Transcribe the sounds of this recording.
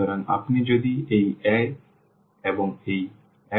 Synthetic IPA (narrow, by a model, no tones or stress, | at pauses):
ɔɾana̰pnid͡ʑod̪iejɛ | eboŋej | ɛ